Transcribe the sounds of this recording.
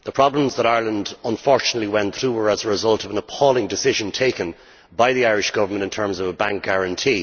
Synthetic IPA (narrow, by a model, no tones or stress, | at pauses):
ðəpʰɹ̥ɑblə̃mzðəɾaɪɹlə̃ndə̃nfɔɹt͡ʃənətˡliwɛ̃nθɹuːwə˞əzəɹɪzʌlˠtʌvə̃nəpʰɔlˠɪ̃ŋdɨsɪʒə̃ntʰeɪkə̃n | baɪðiaɪɹɪʃɡ̥ʌvə˞mə̃ntɪ̃ntʰɜ̃˞mzʌvəbãŋk̚ɡ̥æɹə̃ntʰiː